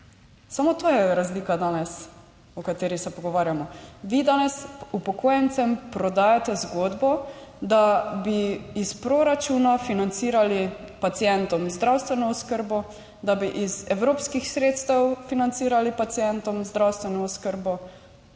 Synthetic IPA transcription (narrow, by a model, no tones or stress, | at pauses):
samot̪oːjɛɾazliːkad̪aːnɛs | ɔkat̪eːɾisɛpɔɡɔʋaːɾjamɔʋiːd̪aːnɛsupɔkoːjɛnt̪sɛmpɾɔd̪aːjat̪ɛzɡoːd̪bɔd̪abiːspɾoɾat͡ʃuːnafinant̪siːɾali | pat̪sijɛnt̪ɔmzd̪ɾawst̪ʋɛnɔɔskəɾbɔ | d̪abiʔizɛwɾoːpskixsɾeːt̪st̪ɛwfinant̪siːɾalipat̪sijɛnt̪ɔmzd̪ɾawst̪ʋɛnɔɔskəɾbɔ